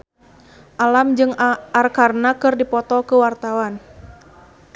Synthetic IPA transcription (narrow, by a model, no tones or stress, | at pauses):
ʔalamd͡ʒɨŋarkarnakɨrdipɔt̪ɔkəwart̪awan